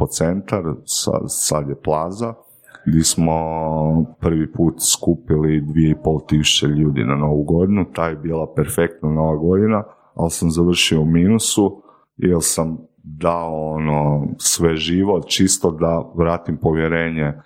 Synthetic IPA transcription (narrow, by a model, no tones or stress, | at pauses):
po̞t̪se̞nt̪aɾsa̰sad̪jeplˠaːza | ɡd̪ʲesmo̞ | pr̩ʋipuːt̪skuːpilid̪ʋije̞ipo̞lˠt̪isu̥t͡ɕeʎuːd̪ḭnano̞ʋuɡo̞d̪inut̪aːjebiːlˠapeɾfe̞k̚t̪nano̞ʋaɡo̞d̪ina | alsamzaʋr̩ʃioumiːnusu | jelsamd̪aoonosʋeʒiːʋo̞t̪t͡ʃist̪od̪aʋɾaːt̪impo̞ʋjeɾe̞ːɲe